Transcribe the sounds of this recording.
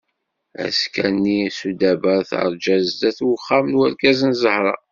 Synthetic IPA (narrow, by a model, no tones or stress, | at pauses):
æ̰skænːisud̪æbæθa̰ɾˤd͡ʒæzd̪æθwəχːamnwæɾkæzənzəhɾˤɑ̰